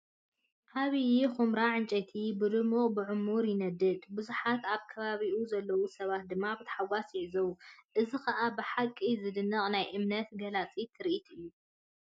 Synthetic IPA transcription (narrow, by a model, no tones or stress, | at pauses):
ʔaβijixumɾaʕɨnt͡ʃʼɐt̪ʰibɨd̪ɨmuχʼbɨʕʊmuɾjɪnɐd̪ɨd̪bɨzuħat̪aβkʰɐβaβiʔuzɐlːɐwusɐβat̪̚d̪ɨmːabɨt̪ʰħawasjɪʕɨzɐwuʔɨzikɐʔabɨħakʼːizɨd̪ɨnːɐχʼnajʔɨmnɐt̪ɡɐlat͡sʼit̪ʰɨɾiʔit̪ʰʔɨjːu